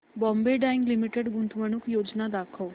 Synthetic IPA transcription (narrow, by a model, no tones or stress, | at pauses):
bɔ̃ːmbeɖaːɪ̃ŋɡlimiʈeɖɡunt̪ʰʋəɽ̃ukjoːd͡ʒnad̪aːkʰəʋ